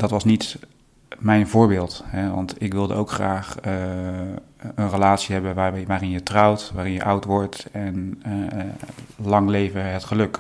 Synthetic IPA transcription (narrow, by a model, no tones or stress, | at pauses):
d̥ɑtʋɑsnit | mɛjnvʊːɹbɪːlˠtɦɛʋɑ̰ntɪkʋɪlˠdə̰owkχraːχ | ənrəlaːtsiɦɛbənʋaʋaːrɪnjətrɑwtʋaːrɪnjə̰ʔʌwtʋɔɹtɛnɛ | lɑŋlejvəɦətχəlɵk